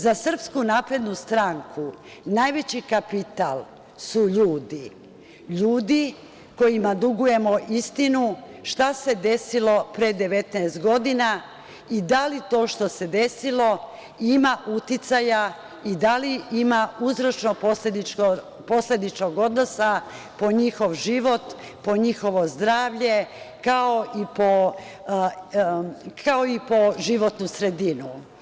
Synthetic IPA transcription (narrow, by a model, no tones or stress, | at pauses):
zasr̩pskunaːpɾe̞d̪nust̪ɾaŋkʰunajʋe̞t͡ɕikapit̪alˠ | suʎuːd̪i | ʎuːd̪i | ko̞jimad̪uɡuje̞moʔist̪inuʃt̪ase̞d̪e̞silo̞pɾed̪e̞ʋe̞t̪naːst̪ɡo̞d̪ina | id̪alit̪o̞ːʃt̪o̞se̞d̪e̞silo̞ | imaʔut̪it̪saja | id̪aliimauzɾo̞t͡ʃnoposed̪io | po̞slʲe̞d̪it͡ʃoɡo̞d̪no̞sa | po̞ɲixo̞ʋʒiʋo̞t̪ | po̞ɲixo̞ʋo̞zd̪ɾaːʋʎe̞kaoʔipo | kʰaoipo̞ʒiʋo̞t̪nusɾe̞d̪inu